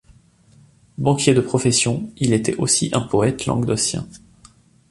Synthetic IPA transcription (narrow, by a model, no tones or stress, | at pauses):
bɑ̃kʲjed̪əpχɔfesjɔ̃ilet̪ɛʔosiʔɛ̃pɔɛt̪lɑ̰̃ɡd̪ɔsjɛ̰̃